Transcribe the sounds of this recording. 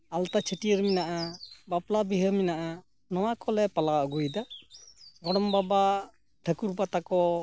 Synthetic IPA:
alt̪at͡ʃʰəʈiəɾminaʔabaplabiɦəminaʔa | nɔwakɔlɛpalaɔɡujd̪a | ɡɔɽɔmbaba | ʈʰəkuɾbat̪akɔ

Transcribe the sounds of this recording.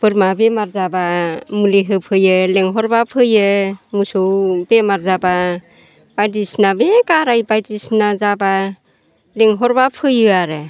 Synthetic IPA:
pɯɾmabemaɾzabamuliɦɯpʰɯjɯleŋɦɔɾbapʰɯjɯmusɯwbemaɾzaba | b̥ajdisnabekaɾajbajdisnazaba | leŋɦɔɾbapʰɯjɯaɾɯ

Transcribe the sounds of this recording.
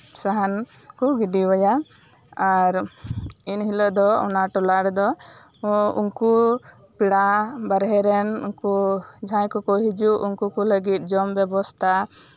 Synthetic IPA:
saɦan | kɔɡiɖiwɔja | aɾ | inɦilɔʔd̪ɔɔ̰naʈɔlaɽd̪ɔ | ṵŋku | piɽabaɾɦɛɾɛnṵŋkud͡ʒʱãjkɔkɔɦid͡ʒuʔuŋkukɔləɡit̪̚ˀd͡ʒɔmbjɛbɔst̪ʰa

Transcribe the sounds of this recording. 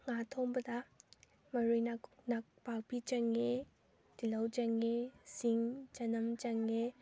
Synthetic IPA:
ŋatʰoŋbɐd̪ɐ | mɐɾujnaknak̚bak̚bit͡ʃɐŋe | tilɐwd͡ʒɐŋesiŋt͡ʃɐnɐmt͡ʃɐŋːe

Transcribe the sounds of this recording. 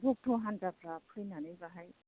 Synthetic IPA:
bʱuk̚tʰoɦandapɾapʰɯjnanɯjbaɦaj

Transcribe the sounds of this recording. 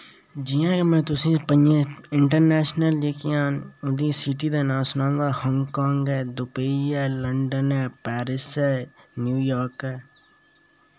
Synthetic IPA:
d͡ʒɪjãːkemɛ̃ːt̪ʊsĩːpəɲd͡ʒẽːɪ̃ɳʈəɾnɛːʃnəleːkijãːnʊd̪iːsɪʈiːd̪eːnãːsʊnãːŋɡ̪aːhɔ̃ŋɡkãːŋɡɛːd̪ʊpəiɛːləɳɖənɛːpɛːɾɪsɛːnjuːjaːɾkɛː

